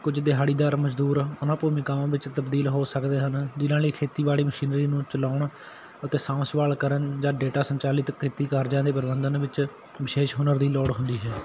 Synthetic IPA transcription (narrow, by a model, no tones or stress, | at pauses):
kʊd͡ʒd̪ɪɦaːɽiːd̪aːɾməd͡ʒd̪uːɾʊnãːpuːmiːkaːmãːʋɪt͡ʃt̪əbd̪iːlɦoːsəkd̪eːɦənd͡ʒɪnãːliːkʰeːt̪iːbaːɭiːməʃiːnɾiːnũːt͡ʃəlaːʊɳ | ət̪eːsãːʊsʋaːlkəɾənd͡ʒãːɖeːʈaːsəɲt͡ʃaːlɪt̪kʰeːt̪iːkəɾd͡ʒãːd̪eːpəɾəbənd̪ənʋɪt͡ʃ | ʋɪʃeːʃɦʊnəɾd̪iːlɔːɽɦʊnd̪iːɦɛː